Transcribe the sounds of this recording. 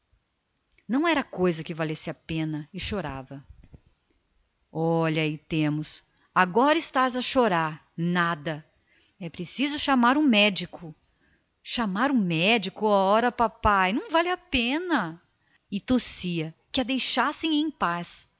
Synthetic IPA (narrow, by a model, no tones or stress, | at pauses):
nɐ̃w̃ɛɾɐkojzɐkɪvalesɪapẽnɐɪʃoɾa̰vɐ | ɔʎɐɪt̪ẽmʊs | aɡɔɾɐɪst̪azɐʃoɾaɾ | nad̪ɐ | ɛpɾesizʊʃamaɾũmɛd͡ʒikʊ | ʃamaɾũmɛd͡ʒikʊɔɔɾɐpapajnɐ̃w̃valɪapẽnɐ | ɪt̪osiɐkɪɐd̪ejʃasẽj̃ẽj̃pas